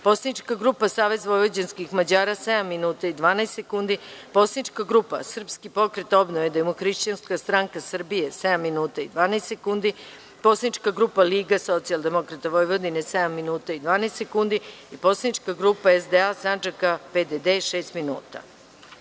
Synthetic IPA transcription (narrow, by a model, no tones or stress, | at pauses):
po̞slanit͡ʃkaɡɾupasaːʋe̞zʋo̞jʋod͡ʑenskixmad͡ʑaːɾased̪amːinuːt̪aid̪ʋaːnaest̪sekund̪ipo̞slanit͡ʃkaɡɾupa̰sr̩pskipo̞kɾet̪o̞bnoʋed̪aemuxɾiʃt͡ɕanskast̪ɾaŋkasr̩bije̞sed̪amːinuːt̪aid̪ʋaːnaest̪sekund̪i | po̞slanit͡ʃkaɡɾupaliːɡaso̞t̪sialˠd̪e̞mo̞kɾat̪aʋojʋod̪inesed̪amːinuːt̪aid̪ʋaːnaːst̪sekund̪iipo̞slanit͡ʃkaɡɾupaezd̪easand͡ʒakaped̪ed̪eʂe̞ːst̪minṵːt̪a̰